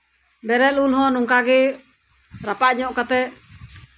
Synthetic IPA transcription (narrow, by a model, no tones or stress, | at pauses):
bɛɾɛlulɦɔnuŋkaɡɛ | ɾapaɲɔʔkat̪ɛ